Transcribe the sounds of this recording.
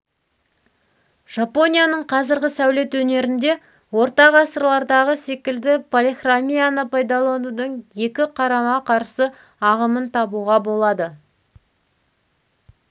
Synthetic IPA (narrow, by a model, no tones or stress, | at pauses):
ʒ̥apo̞nʲijanəɴqʰɑzɪɾɡʲɪsæwle̞t̪wɵne̞ɾɪnd̪e̞ | wo̞ɾt̪ɑʁɑsəɾlˠɑɾd̪ɑʁəse̞kʲɪld̪ɪpʰolʲiχramʲijanəpajd̪alˠɑd̪əd̪əɴje̞kʲɪqʰɑɾɑmɑqʰɑɾsə | ɑʁəmənt̪ʰɑbuʁɑbo̞lˠɑd̪ə